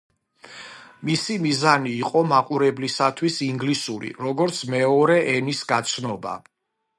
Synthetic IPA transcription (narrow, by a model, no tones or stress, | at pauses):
misimizaniːqʼɔmaqʼuɾɛblisat̪ʰwisiŋɡlisuɾḭɾɔɡɔɾt̪sʰmɛɔɾɛʔɛnisɡat̪sʰnɔba̰